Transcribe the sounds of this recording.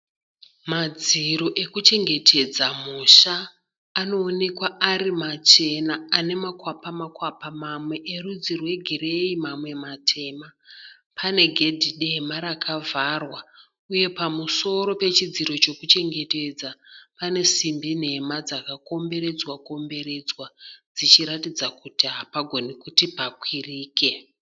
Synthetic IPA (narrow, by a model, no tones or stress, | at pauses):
mad͡ziɾo̞ʔe̞kut͡ʃe̞ŋɡe̞tʰe̞d͡zamuʃaː | no̞ːne̞kwaaɾimat͡ʃe̞naːne̞makwapamakwapamamwe̞ʔeɾud͡zirwe̞ɡʱire̞imamwe̞matʰe̞ma | pʰane̞ɡʱe̞dʱiɗemaɾakʰavʱarwa | uje̞pamuso̞ɾo̞pe̞t͡ʃid͡ziɾo̞t͡ʃo̞kut͡ʃe̞ŋɡe̞te̞d͡zapane̞simbin̤e̞mad͡zakako̞mbe̞ɾe̞d͡zwako̞mbe̞ɾe̞d͡zwad͡zit͡ʃiɾatid͡zakutiɦapaɡʱo̞nikutipakwiriːke̞